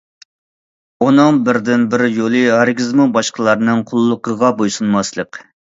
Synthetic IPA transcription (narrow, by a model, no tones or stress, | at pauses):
onɨŋbɪɾd̪ɪnbɪɾjolˠɨhæɾɡʲizmubɑʃqəlˠɑɾnɨŋqʰʊlˠːʊqəʁɑbojsunmɑslˠəq